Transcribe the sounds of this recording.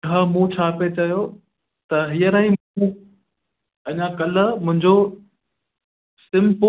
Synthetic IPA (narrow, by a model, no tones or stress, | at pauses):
ãːmũːt͡ɕʰaːpet͡ɕɐjo | t̪ɐɦijəɾaɦiũ | ɐʄãkɐlə̆mʊ̃ɦɪ̃ɲd͡ʑo | sɪ̃mpo